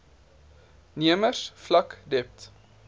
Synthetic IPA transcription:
niəmərsflɐkdɛp̚t

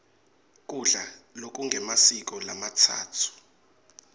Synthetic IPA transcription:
k̬ʼuɮalok̬ʼuŋɡʱɛmasik̬ʼɔlamatʰa̰ːtʰu̥

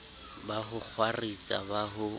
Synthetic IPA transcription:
baɦʊk͡xʰwarit͡sʼa̰baɦʊ

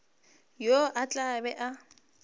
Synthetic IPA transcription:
joʔat͡ɬʼabɛʔa

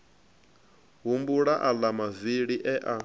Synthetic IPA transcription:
ɦumbuɺaʔalamaviɺiʔɛʔa

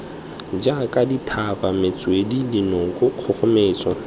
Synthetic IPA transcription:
d͡ʒakʼaditʰabamɪt͡sʼwedidinɔŋkʼʊq͡χʰʊχʊmeːt͡sʼɔ

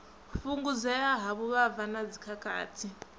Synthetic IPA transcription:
fuŋɡud͡zajaɦaβuβavanad͡zikʰakʼa̰ːtʰi

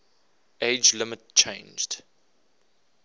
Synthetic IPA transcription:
eɪd͡ʒlɪmətt͡ʃʰẽɪ̃nd͡ʒd̥

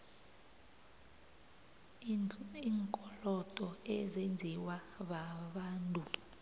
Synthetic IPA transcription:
iŋkʼɔlɔd̥ʱʼɔɛzend͡zʱiwaɓaɓaːntʼu

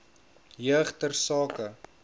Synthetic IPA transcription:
jəχtərsɑːkə

